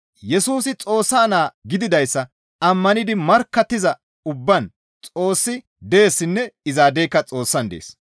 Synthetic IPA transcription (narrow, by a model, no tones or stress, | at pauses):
jɛsuːsɪt͡sʼo̞ːsːaːnaːɡɪd̪ɪd̪ɐjsːɐ | ɐmːɐnɪd̪ɪmɐɾkːɐt̪ːɪzɐ | ʊbːɐn | t͡sʼo̞ːsːɪ | d̪eːsːɪnːɛɪzaːd̪eːkːɐt͡sʼo̞ːsːɐnd̪ḛːs